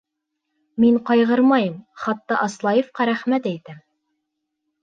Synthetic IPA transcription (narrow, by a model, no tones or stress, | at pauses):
miɴqɑjʁɤɾmɑjɤmχɑt̪ːɑʔɑslˠɑjɤ̆fqɑɾæχmæt̪æjt̪æm